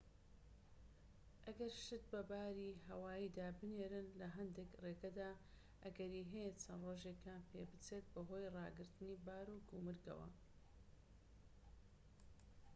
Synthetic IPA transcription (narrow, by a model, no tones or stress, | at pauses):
ʔɐɡɐɾʃɨt̪̚bɐbaːɾiɦɐwaːjid̪aːbɨneːɾɨnlɐɦɐnd̪ekreːɡɐd̪aː | ʔɐɡɐɾiːɦɛjet͡sʰɐnroːʒekjaːnpʰḛbɨt͡set̪̚bɐɦo̞ːjrɑːɡɨɾt̪ɨniːbaːɾuɡumɨɾɡɐ̰wɐ̰